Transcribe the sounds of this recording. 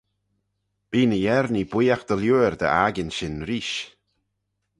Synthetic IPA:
b̥iːnəjɛɾnib̥wiːjaxd̪̥əljuːəɹd̪ə̰ʔaɡɪnʃɪnɾiːʃ

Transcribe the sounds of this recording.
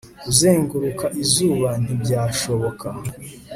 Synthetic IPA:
uzeːŋɡuɾukaʔizuːβan̥hibɟaːʃo̞βo̞kʰa

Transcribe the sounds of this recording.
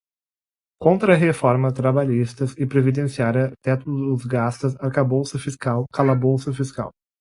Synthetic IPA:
kõnt̪ɾɐɦefɔɾmɐt̪ɾabaʎist̪ɐzɪpɾevid̪ẽsiaɾɐt̪ɛt̪ʊd̪ʊzɡast̪ɐsaɾkabowsɐfiskawkalabowsɐfiska̰w

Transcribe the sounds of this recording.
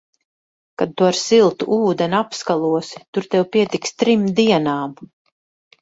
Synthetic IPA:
kad̪̚t̪uaɾsilˠt̪uʔuːd̪ɛnapskalˠuɔsi̥t̪uɾt̪ɛwpiɛt̪ikst̪ɾimd̪iɛnaːm

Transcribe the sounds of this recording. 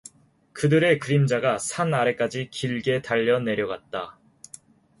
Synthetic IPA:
kɯdɯɾe̞kɯɾimd͡ʑaɡasʰanaɾe̞k͈ad͡ʑikiɭɡe̞taʎːʌne̞ɾjʌɡwat̚t͈a

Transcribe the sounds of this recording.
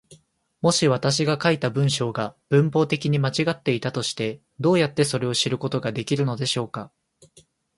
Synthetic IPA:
mo̞ɕiβat̪aɕ̬iɡakait̪abɯ̟̃ɰ̃ɕo̞ːɡab̥ɯ̟̃mpo̞ːt̪e̞kʲiɲ̟imat͡ɕiɡat̪ːe̞it̪at̪o̞ɕi̥t̪e̞ | d̪o̞ːjat̪ːe̞so̞ɾe̞o̞ɕiɾɯ̟ko̞t̪o̞ɡad̪e̞kʲiɾɯ̟no̞d̪e̞ɕo̞ːka

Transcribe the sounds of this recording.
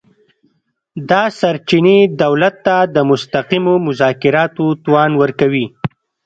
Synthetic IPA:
d̪ɑsaɾt͡ʃined̪awlat̪ːad̪əmʊst̪aqimomʊzɑkɪɾɑt̪ot̪wɑnwəɾkawi

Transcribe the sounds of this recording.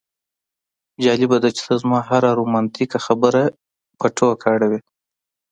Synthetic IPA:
d͡ʒɑlɪbad̪at͡ʃɪ̥t̪azmɑɦaɾaɾumɑnt̪ikaxabəɾa | paʈʰokʰɑɽawe

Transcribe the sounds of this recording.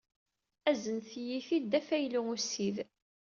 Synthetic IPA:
æzənθjiθid̪æfæjluŋusið

